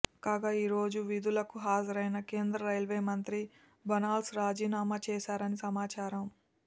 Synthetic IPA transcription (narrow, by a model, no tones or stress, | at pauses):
kaːɡaiːɾo̞ːd͡ʒuʋid̪ulɐkuɦaːd͡ʒɐɾɐjnɐke̞ːnd̪ɾɐɾɐjlʋeːmɐnt̪ɾi | bɐnaːlsɾaːd͡ʒiːnaːmat͡ʃɛːʃaːɾɐnisɐmaːt͡ʃaːɾɐm